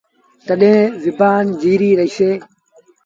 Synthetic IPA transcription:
t̪əɗẽːʋɪbaːnd͡ʒiːɾiːɾəiseː

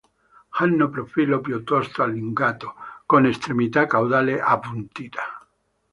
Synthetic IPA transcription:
hanːopɾofilopjot̪ost̪oaliŋɡat̪okonest̪ɾemit̪akawðaleʔapunt̪it̪a

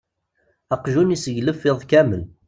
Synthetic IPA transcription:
ɑqʒunisəʝləfːɪðˤkæməl

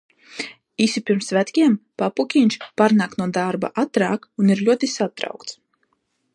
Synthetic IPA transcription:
isipiɾmsvæt̪kʲiɛmpapukʲiɲʲt͡ʃpaːɾnaːknuɔd̪aɾba̰ʔat̪ɾaːkuniɾlʲuɔt̪isat̪ɾa̰wkt̪s

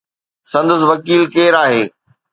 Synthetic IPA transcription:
sɐ̃nd̪əs̬ʋɐkiːlkeːɾaːɦeː

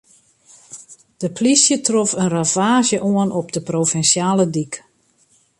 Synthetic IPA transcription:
d̥əplisjətrɔfənravaːʒjəʔoənʔɔp̚dəprofɛnsjaːlədik

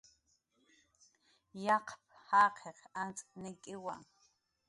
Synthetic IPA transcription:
jɑqʰp̚hɑːqʰeqant͡sʼnɪkʼɪwa̰

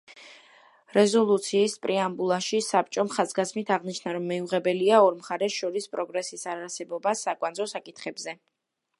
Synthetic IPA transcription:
ɾɛzɔlˠut̪sʰiːspʼɾiambulˠaʃisap̚ʼt͡ʃʼɔmχazɡasmit̪ʰaʁniʃnaɾɔmːɛuʁɛbɛliaɔɾmχaɾɛʃɔɾispʼɾɔɡɾɛsisaɾaɾsɛbɔbasakʼwanzɔsakʼit̪ʰχɛbzɛ

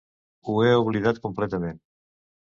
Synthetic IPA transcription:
ueoβliðat̪̚komplɛt̪əmẽn

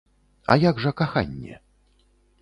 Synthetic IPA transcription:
ɐ̰jaɡʐɐkaxa̰nʲːɛ̰

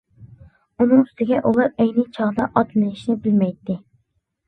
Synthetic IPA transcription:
unɨŋst̪ʰɪɡʲɛʔulˠɑɾɛjnɪt͡ʃʰɑʁd̪ɑʔɑt̪llɨnɪʃnɪbɪlmɛjt̪ːɪ

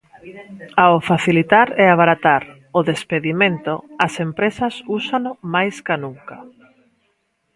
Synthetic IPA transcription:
aofaθilit̪aɾɛaβaɾat̪aɾ | ʊðespeðimẽnt̪oasempɾesɐsusanʊmajskanuŋka

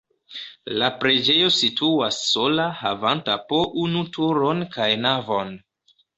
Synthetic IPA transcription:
lapɾe̞d͡ʒe̞jo̞sitʰuasːo̞lahavantapoʔunutʰuɾo̞nkajnavo̞n

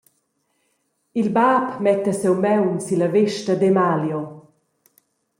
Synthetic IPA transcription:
ilbaːpmɛt̪asɛwmɛwnsilaveʃtɐd̪ɛmaljɔ

